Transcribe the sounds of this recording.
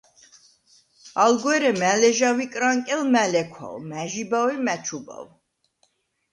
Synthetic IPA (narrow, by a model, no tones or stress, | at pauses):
alɡwɛɾɛmælɛʒavikʼɾaŋkʼɛlmælɛkʰwa̰lmæʒibawimæt͡ʃʰuba̰w